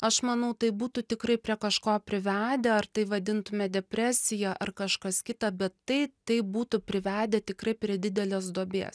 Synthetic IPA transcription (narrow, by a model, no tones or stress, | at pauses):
ɐʃmɐnɐʊt̪ɐɪbuːt̪ʊt̪ʲɪkrɐɪpʲɾʲiɛkɐʃkoːpʲɾʲɪʋʲæːd̪ʲɛɐrt̪ɐɪʋɐd̪ʲɪnt̪ʊmʲɛd̪ʲɛpʲɾʲæːsʲɪjɛʔɐrkɐʃkɐskʲɪt̪ɑbʲɛt̪ːɐɪt̪ɐɪbuːt̪ʊpʲɾʲɪʋʲæːd̪ʲɛt̪ʲɪkrɐɪpʲɾʲiɛd̪ʲɪd̪ʲɛlʲoːs̬d̪oːbʲḛːs